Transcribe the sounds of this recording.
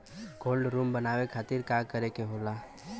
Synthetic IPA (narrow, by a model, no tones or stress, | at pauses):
ɡoːlɖɾuːmbənaːwekʰaːt̪iɾkakəɾekeɦoːla